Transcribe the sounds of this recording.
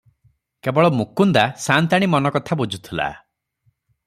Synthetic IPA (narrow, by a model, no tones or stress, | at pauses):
kebɔɭɔmukund̪asant̪aɽ̃imɔnɔkɔt̪ʰabud͡ʒʱut̪ʰila̰